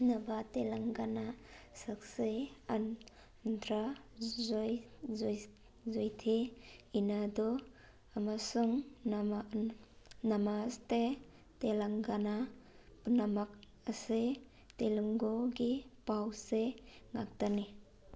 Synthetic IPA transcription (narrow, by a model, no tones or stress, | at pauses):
nabatelaŋɡanasak̚sean | ndɾazɔj | zojtʰiinadɔ | amasuŋ | namaste | telaŋɡana | punamak̚ | ase | teluŋɡoɡipawseŋak̚tani